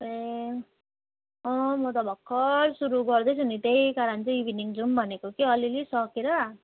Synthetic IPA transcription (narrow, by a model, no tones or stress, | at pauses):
e | ɔ̃mot̪ɔbʱɔkʰːɔɾsuɾuɡɔɾd̪ʌjsunit̪eikaɾant͡seiʋiniŋɡd͡zumbʱʌnekukiʌlilisɔkiɾa